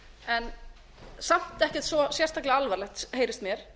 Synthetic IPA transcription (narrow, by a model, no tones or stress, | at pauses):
ɛn | sam̥t̪ɛhcɛt̪svɔsjɛɾ̥r̥st̪aklɪalvaɾlɛxt̪heːjɾɪst̪mjɛɾ̥